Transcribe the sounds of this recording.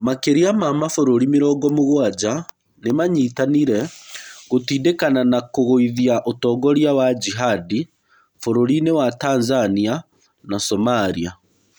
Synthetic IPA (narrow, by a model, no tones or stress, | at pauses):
makeɾiamamafoɾoɾimeɾɔːɡɔmoɣwad͡ʑa | nemaɲiːtaniɾɛɣotiːdekananakoɣoiðiaʔotɔːɡɔɾjawad͡ʑiɦadi | foɾoɾinewataːnzania | nasɔmaɾia